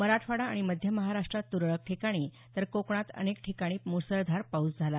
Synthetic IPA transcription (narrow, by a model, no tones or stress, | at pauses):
məɾaʈʰfaɽaːɽ̃iməd̪ʱjəməɦaɾaʂʈɾat̪ːuɾɭək̚ʈʰikaɽ̃iː | t̪əɾkokɳ̃at̪ə̰nekʈʰikaɽ̃iːmusəɾd̪ʱaɾpaut͡sd͡zʱala